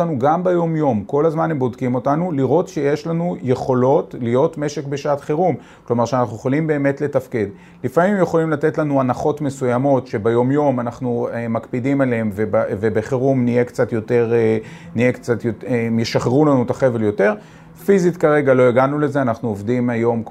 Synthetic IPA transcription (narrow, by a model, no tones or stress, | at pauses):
anuɡambejo̞mjo̞mko̞lazmanhembo̞dkimo̞tanuliʁo̞tʃejeʃlanuje̞χo̞lo̞tlijo̞tme̞ʃe̞kbe̞ʃaat̪χeʁum | klo̞maʁʃeanaχnujeχolimbeːme̞tle̞tafke̞d | lifamimjeχo̞limlat̪e̞tlanuanaχo̞tme̞sujamo̞tʃe̞bejo̞mjo̞manaχnuemakpidimalehemvebvebeχeʁumnijekt͡satjo̞te̞ʁe | niekt͡sat̪jotemjeʃaχeʁulanut̪aχeveljo̞te̞ʁ | fizitkaʁe̞ɡaloeɡanule̞zeanaχnuovdimajo̞m